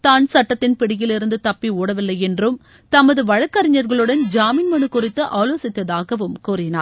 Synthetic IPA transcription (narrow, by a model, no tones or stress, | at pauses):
t̪aːnsɐʈːɐt̪ːɪnpɪɽɪjɪlɪɾɯnd̪ɯt̪ɐpːiuːɽɐʋɪlːɐjɛndrɯm | t̪ɐmɐðɯʋɐɻɐkːɐɾɪɲːɐɾɣɐɭɯɽɐnd͡ʒaːminmɐɳɯkʊrɪt̪ːɯʔaːloːsɪt̪ːɐðaːɣɐʋɯmkuːrɪna̰ːɾ